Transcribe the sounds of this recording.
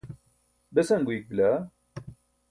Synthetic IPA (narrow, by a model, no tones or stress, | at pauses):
bæsæŋɡʷik̚vlæ